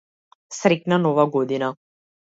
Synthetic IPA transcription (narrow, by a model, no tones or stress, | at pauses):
sɾɛknanɔvaɡɔd̪ina